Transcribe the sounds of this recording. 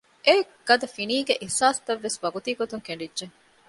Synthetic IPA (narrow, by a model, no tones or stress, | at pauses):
ʔe | ɡ̥ɐd̪ɐfiniːɡeʔihsaːsɐ̥t̪ɐʋːesʋɐɡut̪iːɡot̪uŋkeɳɖidʒeŋ